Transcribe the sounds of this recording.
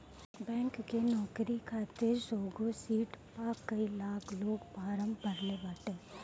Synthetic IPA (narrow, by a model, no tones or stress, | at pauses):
bɛ̃ːŋkːenɔːkɾikʰaːt̪ɪɾsoːɡosiːʈpakɐilaːkʰloːɡpaːɾə̃mbbʱɐɾlebaːʈeː